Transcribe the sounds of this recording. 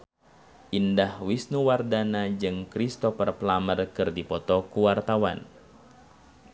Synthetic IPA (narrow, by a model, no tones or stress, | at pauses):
ʔindahwisnuwardanad͡ʒɨŋkɾist̪ɔfərplamərkɨrdipɔt̪ɔkuwart̪awa̰n